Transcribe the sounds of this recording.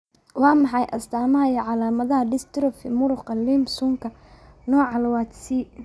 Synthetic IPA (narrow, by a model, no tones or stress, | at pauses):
wɑːmɑħɑjʔɐ̰st̪ʰaːmɐɦɐiːʕɑlaːmɐðɐɦɐɖɪst̪ɪɾɔfɪmʊɾʊqɑlimbsʊŋkʰɐ | nɔːʕɑlwɑːt̪si